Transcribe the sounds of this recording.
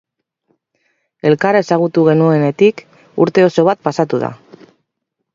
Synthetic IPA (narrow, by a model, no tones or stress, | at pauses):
e̞lkaɾesaɣ̞ut̪uɣe̞nue̞ne̞t̪ik | ṵɾt̪e̞o̞so̞β̞at̪̚pasat̪uða̰